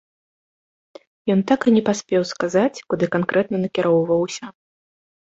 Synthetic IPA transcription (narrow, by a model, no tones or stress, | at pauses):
jɔnt̪akɨnʲɛpasʲpʲɛwskazat͡sʲkud̪ɨkankɾʔɛt̪nɐnɐkʲɛɾʔɔwvɐwsʲɐ